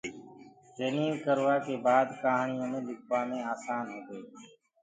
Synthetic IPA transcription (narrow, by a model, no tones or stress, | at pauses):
d͡ʒeːnĩːʋkəɾʋaːkeːbaːd̪kaːɦɳɪjõːmẽːlɪkʰʋaːmẽːaːsaːnɦʊd̪eː